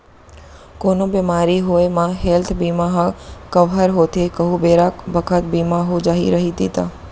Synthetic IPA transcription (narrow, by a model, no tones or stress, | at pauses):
konobemaɾiɦoemãɦelt̪ʰbimaɦakəʋɦaɾɦot̪ekəɦubeɾabʱəkʰət̪̚bimaɦod͡ʒaɦḭɾəɦid̪it̪a